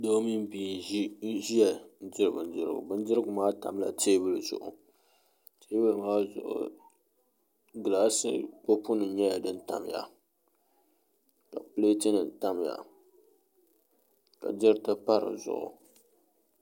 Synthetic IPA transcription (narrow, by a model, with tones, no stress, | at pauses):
do˦mi˦m˦bi˨ | ʒi˦jɛ˨n˦d͡ʒɪ˦ɾɨ˨bɨ˨n˦d͡ʒɪ˦ɾɨ̰˦˨ɡʊ̰˨bɨ˦n˦d͡ʒɪ˦ɾɨ˦ɡʊ˨maː˦ta˨m˦la̰˨teː˦bɨ˦lɨ˨z̥ʊ̰˨ʔʊ˨ | te˦bɨ˦lɨ˨maː˦zʊ̰˨ʔʊ̰˨ | ɡɨ˨la˦sɨ̰˦k͡po˦pʊ˦nɨ˨ɲɛ˦ja˨dɨ˦n˦ta̰˨mja̰˨ | ka˨pɨ˦le˦ti˦nɨ˨n̩˨ta˦m˦ja̰˨ | ka̰˨d͡ʒɪ˦ɾtɨ˦pa˦ɾɨ̰˨zʊ̰˨ʔʊ̰˨